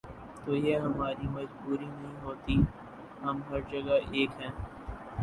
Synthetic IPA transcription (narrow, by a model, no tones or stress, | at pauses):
t̪oːjeɦɐmaːɾimɐd͡ʒbuːɾinɐɦĩɦoːt̪i | ɦɐmɦɐɾd͡ʒɐɡaʔeːkɦɛ̃ː